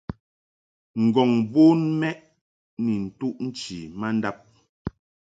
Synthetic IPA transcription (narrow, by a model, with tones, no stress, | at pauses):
ŋ̩˨ɡɔ˨ŋbu˦nmɛ˦ʔ | ni˨n̩˨tu˦ʔn̩˦t͡ʃi˨ma˦n̩˦da˦p̚